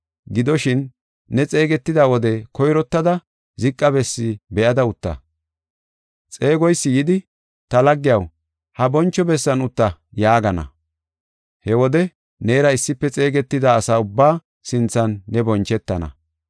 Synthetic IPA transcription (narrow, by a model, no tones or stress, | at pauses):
ɡɪd̪ɔʃɪnː | ɛt͡sʼe̞ːɡɛt̪ːɪd̪awɔd̪ɛkɔjɾɔt̪ːɐd̪ɐ | zɪkʼːɐbɛsːɪbɛʔɐd̪ɐʊt̪ːɐ̰ | t͡sʼe̞ːɡɔjsːɪjɪd̪ɪ | t̪ɐlɐɡːɪjɐw | hɐbɔnt͡ʃːɔbɛsːɐnʊt̪ːɐjaːɡɐnɐ̰ | hɛwɔd̪ɛ | ne̞ːɾɐɪsːɪpːɛt͡sʼe̞ːɡɛt̪ːɪd̪aːsaːʊbːaː | sɪnt͡sːɐnːɛbɔnt͡ʃːɛt̪ːɐnɐ̰